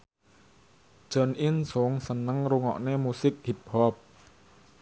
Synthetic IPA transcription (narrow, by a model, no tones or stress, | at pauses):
d͡ʒ̥ənʔinsoŋsənəŋɾuŋɔ̰ʔnemusɪk̚hip̚hɔp̚